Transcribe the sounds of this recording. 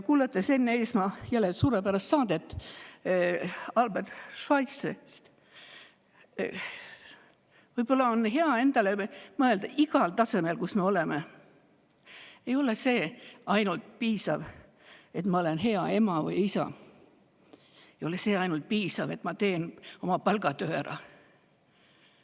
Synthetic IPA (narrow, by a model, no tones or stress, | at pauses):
kuːlɑt̪ːˑese̞nːeeːsmɑjælːet̪suːɾepæɾɑst̪sɑːd̪̥et̪ːˑ | ɑlbert̪ʃvɑjt̪se | vɯjb̥o̞lːɑonɦe̞ɑe̞nd̪̥ɑlemɤe̞ld̪̥ɑʔiɡɑlt̪ɑse̞melkusme̞o̞leme | ejo̞lese̞ːɑjnult̪̚piːsɑv | e̞t̪mɑo̞lenɦe̞ɑe̞mɑvɯ̰jisɑ̰ | ejo̞lese̞ːɑjnult̪̚piːsɑve̞t̪mɑt̪e̞ːno̞mɑpɑlɡ̥ɑt̪øɾɑ̰